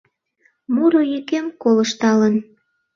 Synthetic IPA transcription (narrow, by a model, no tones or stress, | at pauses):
muɾojykemkoləʃt̪ɑlən